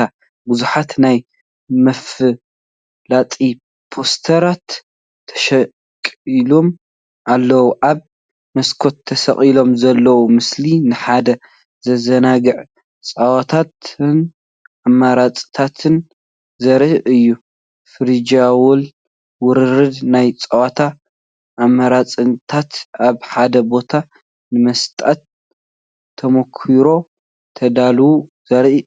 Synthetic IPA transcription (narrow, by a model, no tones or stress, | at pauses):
a | buzuħat̪naj | mɐfɨ | lat͡sʼi | pʰo̞st̪ʰɐɾat̪ʰː | ɐ̥ʃɐ | kʼilom | ʔalːɐwuʔaβ | mɐskʰo̞t̪ʰːɐsɐ̰χʼilo̞mzɐlːɐwumɨslinɨħad̪ɐ | zɐzɐnaɡɨʕ | t͡sʼawat̪ʰat̪ɨn | ʔamːaɾat͡sʼt̪ʰat̪ʰɨn | zɐɾɨjːu | fɨɾid͡ʒawʊl | wʊɾɨɾɨd̪najt͡sʼawat̪ʰa | ʔːmːɐɾat͡sʼɨnt̪ʰat̪aβħad̪ɐbo̞t̪ʰa | nɨmɐst̪ʼat̪ʰ | ɐmokʰiɾo̞ | t̪ʰɐd̪alwuz̥ɐɾʔi